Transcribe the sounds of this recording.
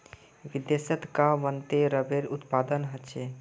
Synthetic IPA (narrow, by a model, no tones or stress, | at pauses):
ʋid̪jesət̪kaʋənt̪eɾəbeɾut̪pad̪ənɦət͡ʃʰe